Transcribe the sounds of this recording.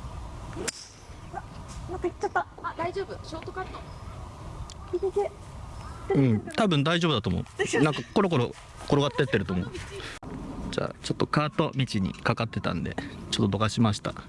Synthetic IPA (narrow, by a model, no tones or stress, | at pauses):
nk̪ː | d̪aiʑoːbɯɕoːt̪okaːt̪o | ɯ̃ɴt̪abɯ̟̃nd̪aiʑobɯd̪at̪omo̰nãŋkako̞ɾo̞k̬o̞ɾo | ko̞ɾo̞ɡat̪ːe̞t̪ːe̞ɾɯ̟t̪o̞mo̰ | d͡ʑa̰ːt͡ɕo̞t̪ːo̞kaːt̪o̞mʲit͡ɕiɲ̟ḭkakat̪ːe̞t̪ã̰nd̪e̞̰t͡ɕo̞t̪ːod̪oɡaɕimaɕi̥t̪a̰